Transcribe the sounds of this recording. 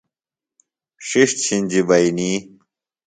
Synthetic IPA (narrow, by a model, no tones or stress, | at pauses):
ɕiʂt̪t͡ɕʰinʲd͡ʑibɐini